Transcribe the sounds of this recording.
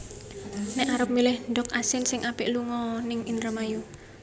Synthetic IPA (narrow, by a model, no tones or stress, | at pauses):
nɛʔaɾəp̚milɪhɳɖɔkasɪnsɪŋʔapɪʔluŋɔnɪŋind̪ɾəmaju